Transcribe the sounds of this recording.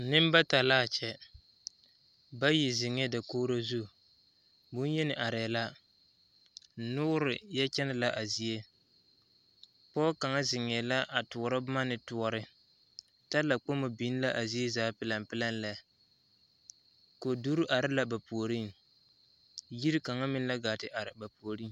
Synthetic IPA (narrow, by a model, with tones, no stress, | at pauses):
nɪ˦m˦ba˦ta˨laː˦˨t͡ʃɛ˨ | ba˦ji˨zɪ˨ŋɛ˦da˨koː˦ɾa˦zu˦˨ | bʊ˦n˦jɛ˦nɪ˨ʔa˨ɾɛː˨la˦ | n̩˨nʊ˦ʊ˦ɾɪ˨jɛ˦t͡ʃɛ˦nɪ˦la˨ʔa˨zi˨e˦ | pɔ˦ka˨ŋa˦zɪ˨ŋɛ˨la˦ʔa˨tʊ˨ɔ˨ɾa˦bma˦nɪ˨tʊ˦ɔ˦ɾɪ˦ | ta˦la˨k͡po˦ma˨bi˨˦n˦la˦ʔa˨zi˦e˦zaː˨˦pɪ˦la˨mpɪ˦la˦n˦la˨ | ko˨du˦ɾu˦ʔa˨ɾɪ˦la˦ba˨pu˨o˨ɾi˦˨ŋ | ji˦ɾi˦ka˨ŋa˦mɪ˦n˦la˦ɡaː˨tɪ˨ʔa˨ɾɪ˨ba˨pu˨o˨ɾi˦ŋ˨